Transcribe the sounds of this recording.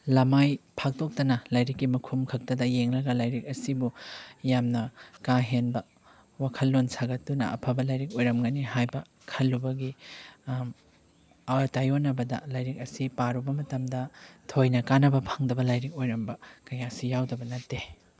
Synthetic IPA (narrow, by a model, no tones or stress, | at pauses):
lɐmajpʰak̚tok̚tɐnɐlajɾikːimɐkʰumkʰɐk̚tɐdɐjeŋlɐɡɐlajɾik̚ɐsibujamnɐkaɦenbɐ | wakʰɐlːonsaɡɐtdunɐ̰ɐ̰pʰɐbɐlɐjɾik̚ojɾɐmɡɐniɦajbɐ | kʰɐlːubɐɡi | ɐtajonɐbɐdɐ̰lajɾik̚ɐsipaɾubɐmɐtɐmdɐtʰojnɐkanɐbɐpʰaŋdɐbɐlajɾik̚ojɾɐmbɐkɐjasijawdɐbɐnɐtːe